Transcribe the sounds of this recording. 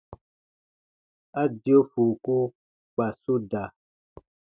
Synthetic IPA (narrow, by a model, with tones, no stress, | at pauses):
a˦djo˦fu˨ku˦ | k͡pa˨su˦da˨